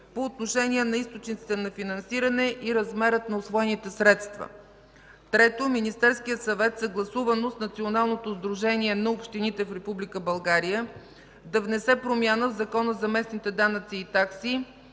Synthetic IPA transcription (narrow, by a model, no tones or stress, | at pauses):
poːt̪noʃɛnʲiɛnɐist̪ot͡ʃnit̪si̥t̪ɛnɐfinɐnsiɾənɛʔiɾɐzmɛɾət̪nɐosvɔɛnit̪ɛsɾɛt̪st̪və̰ | t̪ɾɛt̪ominist̪ɛɾskijət̪sɐvɛt̪səɡlˠɐsuvənosnɐt̪sionalˠnot̪ozd̪ɾuʒɛniɛnɐopʃt̪init̪ɛfɾɛpublikəbɐlˠɡaɾijə | d̪ɐvnɛsɛpɾomʲjanəvzɐkɔnəzɐmɛsnit̪ɛd̪anət̪siːt̪aksi